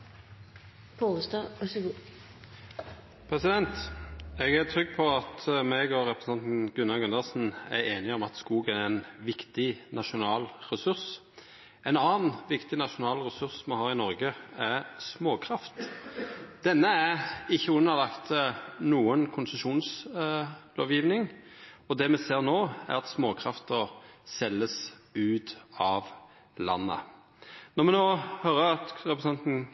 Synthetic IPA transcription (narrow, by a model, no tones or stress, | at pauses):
pʰoːəst̪ɑɔsɡu | pʰɾɛsɪd̪ɛnt̪ɛɡæʁt̪ʰɾʏɡːpʰɔɑt̪mɛɡɔɾɛpɾə̥sɑnt̪n̩ɡʉnɑɡʉnɑəʁsn̩æ̰ɾeːnɪɔmɑt̪skuːɡæɾɛnʋɪkt̪ɪnɑʃʊnɑːlʁɛsʉɾs | ʔɛnɑːnʋɪkt̪ɪnɑʃʊnɑːlʁɛsʉʁsmɑhɑːʁɪnɔɾɡəæʁsmoːkʰɾɑft̪ | d̪̥ɛnːəæʁɪçːəʉnːəʁlɑkt̪nuːənkʰʊnsəʂuːns | lo̰ːʋjiːʋnɪŋ | ɔd̪ɛmɛseːʁnoːæ̰ʁɑt̪smoːkʰɾɑft̪əsɛlːəsʉːt̪ɑʋ | lɑ̰nːə̰ | nɔʁmɛnoːhøɾəɑt̪ʁɛpɾəsɛnt̪n̩